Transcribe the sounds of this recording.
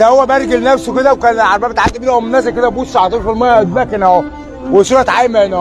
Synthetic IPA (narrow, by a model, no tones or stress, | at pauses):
t̪æhowːæbæɾˤɡelnæfsoked̪æwkænʕaɾˤbæbet̪ʕad̪ːebiːlhomenːæs̬æked̪æbusːɑʕɑt̪ˤuːɾfolmæææd̪̚bækenæ | wesuːɾɑt̪ʕajmæenæ